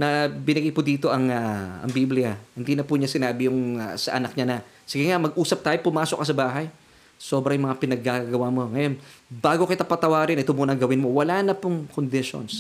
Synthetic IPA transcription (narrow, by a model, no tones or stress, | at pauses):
nɐbɪnɐɡajpʊd̪iːt̪o̞ʔɐŋɐɐ̰ŋbiblɪjɐhɪnd̪iːnɐpuɲasɪnaːbɪjʊŋ̰sɐ̰ʔɐnɐk̚ɲanɐ | sɪɡɪŋamɐɡ̚ʔuːsɐp̚t̪aːjopʊmaːsok̚ːɐsɐbaːɦɐj | so̞ːbɾɐjʊŋmɐŋapɪnɐɡːaɡɐwamo̞ŋɐjo̞nbaːɡokɐjt̪ɐpɐt̪ɐwaːɾɪnʔɪt̪omunɐŋɡɐwɪnmo̞wɐlaːnɐpʊŋkond̪ɪʃo̰ns